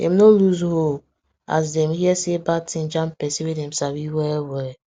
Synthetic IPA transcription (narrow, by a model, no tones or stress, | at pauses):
ḛmnoluzɦol | a̰zdɛm̩hiɛsebatĩn̩d͡ʒam̩pɛsiwedɛm̩sawiwɛwɛ